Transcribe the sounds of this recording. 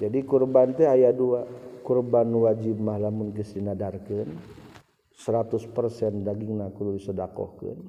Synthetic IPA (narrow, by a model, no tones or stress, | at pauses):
d͡ʒadikurbant̪ɛɦajaduakurbanwad͡ʒɪb̚mahlamʊnkəsdinadarkən | səɾat̪ʊspərsɛndaɡɪŋnakuluisədakɔ̰hkə̰n